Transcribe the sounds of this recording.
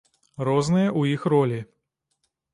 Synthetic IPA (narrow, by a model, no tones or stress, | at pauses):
ɾɔznɨjɐʔujixrɔlʲi